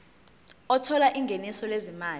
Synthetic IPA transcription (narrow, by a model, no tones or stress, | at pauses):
ɔtʰɔlaʔiŋɡʱenisɔlezimaːl